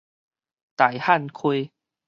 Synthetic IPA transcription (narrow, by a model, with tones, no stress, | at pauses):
t̪a˨˩jha˥˨nkʰwe˧